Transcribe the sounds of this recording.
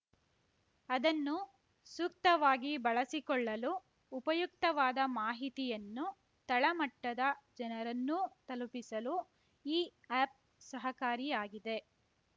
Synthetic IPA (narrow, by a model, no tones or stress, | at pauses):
ɐd̪ɐnːu | suk̚t̪ɐʋaːɡibɐɭɐsikɔɭːɐluː | pɐjuk̚t̪ɐʋaːd̪ɐmaːɦit̪ijɐnːu | t̪ɐɭɐmɐʈːɐd̪ɐd͡ʒɐnɐɾɐnːut̪ɐlupisɐlu | iːaːp̚ | sɐɦɐkaːɾijaːɡid̪e̞